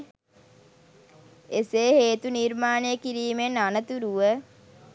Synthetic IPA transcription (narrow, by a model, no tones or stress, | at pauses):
eseːheːt̪uniɾmaːnejəkiɾiːmenanət̪uɾuʋə